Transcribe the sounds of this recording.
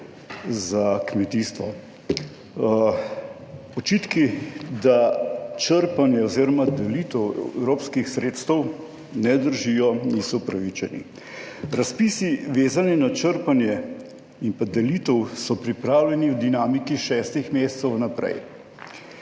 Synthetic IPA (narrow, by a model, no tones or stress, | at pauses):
zakmɛt̪ist̪ʋɔ | ɔt͡ʃit̪kid̪at͡ʃəɾpanjɛɔziːɾɔmad̪ɛlit̪əwɛ̰ɛ̰wɾoːpskixsɾeːt̪st̪əw | nɛd̪əɾʒijɔnisɔpɾaʋit͡ʃɛnḭ | ɾaspisiʋeːzaninat͡ʃəɾpanjɛ | impad̪ɛlit̪əwsɔpɾipɾaːwlʲɛniwd̪inamikiʃɛːst̪ixmeːsɛ̥t̪sɛwnapɾɛ̰j